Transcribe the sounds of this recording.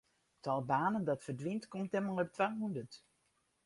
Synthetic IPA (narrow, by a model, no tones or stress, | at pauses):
tʰɔlˠbaːnəndɔtfərdʋintkɔmtɛmalˠɔp̚tʰʋaɦundət